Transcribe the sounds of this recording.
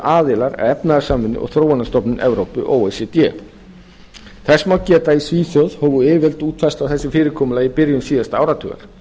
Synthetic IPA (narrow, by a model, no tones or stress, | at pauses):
ʔaːðɪlaɾa̰ðɛpnaðasaːmːɪnːʏ̰ʔɔ̰ɣθɾoːwanːast̪ɔpnɪnʔɛvɾowpʏ̰ʔowejsɛt̪ɛ̰ | θɛsːmawcɛːt̪aisviːθjœð̥hɔːvʏɪːvɛlt̪uːt̪fɛst̪awθɛsːɪfɪːɾɪɾkʰɔːmʏlaːjɪpɪɾjʏnsiːðast̪aaːwɾat̪ʰʏ̰ɣa̰ɾ̥